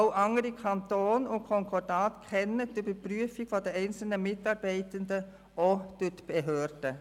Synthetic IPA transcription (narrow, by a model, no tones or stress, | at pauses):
ʊʔɑŋəɾikʰɑntoːnʊnkʰɔŋkʰɔdɑːtkʰɛnːətybəpɾyəfɪɡ̥fɔdɛɛɪnt͡sl̩nəmɪtɑːɾbɛɪtəndə | ʔod̥øtb̥ɛɦøːɾdə